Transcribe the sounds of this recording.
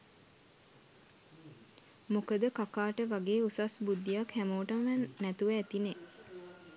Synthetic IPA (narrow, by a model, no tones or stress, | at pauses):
mokəd̪əkakaːʈəʋaɡeːusasbud̪ːijakhæmoːʈəməʋænːæt̪uʋəːt̪ine